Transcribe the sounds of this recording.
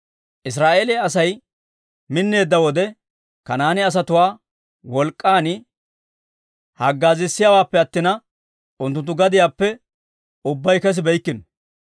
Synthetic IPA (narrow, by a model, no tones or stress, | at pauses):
ʔɪs̬ɾaːʔeːlɛɐs̬ɐj | mɪnːe̞ːd̪ːɐwɔd̪ɛ | kɐnaːnɪɐs̬ɐt̪ʊwaː | wɔlkʼːaːnɪ | hɐɡːaːzɪsːɪjaːwaːpːɛɐt̪ːɪnɐ | ʊnt̪ːʊnt̪̬ːʊɡɐd̪ɪjaːpːɛ | ʊbːɐjkɛs̬ɪbɛjkːɪn